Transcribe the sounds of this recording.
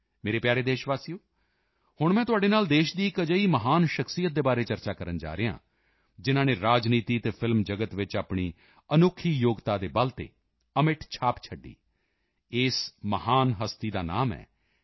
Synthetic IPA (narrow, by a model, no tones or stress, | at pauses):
meːɾeːpjaːɾeːd̪eːʃʋaːsijoː | hʊɳmɛ̃ːt̪ʊaːɖeːnaːld̪eːʃd̪iːɪkəd͡ʒəiːməɦaːnʃəkʰsijət̪̚d̪eːbaːɾeːt͡ʃəɾt͡ʃaːkəɾənd͡ʒa̰ːɾeːã̰ː | d͡ʒɪnãːneːɾaːd͡ʒniːt̪iːt̪eːpʰɪlmd͡ʒəɡət̪ʋɪt͡ʃaːpɳ̃iː | ənʊkʰːiːjoːɡt̪aːd̪eːbəlt̪ḛː | əmɪʈʰt͡ʃʰaːpt͡ʃʰəɖːḭː | ɪːsməhaːnɦəst̪iːd̪aːna̰ːmɛ̰ː